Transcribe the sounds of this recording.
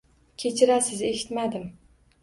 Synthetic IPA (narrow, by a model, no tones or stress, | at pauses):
kʲʰet͡ʃʰɪɾæsɪzeʃɪ̥t̪mæd̪ɪm